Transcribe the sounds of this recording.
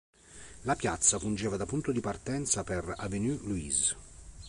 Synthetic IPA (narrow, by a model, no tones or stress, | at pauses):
lapjat̪sːafund͡ʒɛːvad̪apunt̪od̪ipart̪ɛnt̪sapɛravenyluiz